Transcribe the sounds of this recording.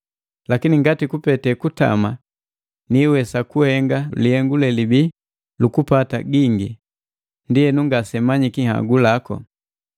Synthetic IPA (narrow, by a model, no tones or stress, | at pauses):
lakiniŋɡatikupɛtɛkuta̰ma | niwɛsakuhɛŋɡaliɛŋɡulɛlibi | lukupata̰ɡiŋɡi | ndijɛnuŋɡasɛmaɲikiha̰ɡulakɔ̰